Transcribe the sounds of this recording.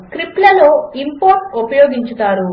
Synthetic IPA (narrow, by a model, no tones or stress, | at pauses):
kɾiplɐloːimpoːɾʈupɐjɔːɡiɲt͡ʃut̪aːɾu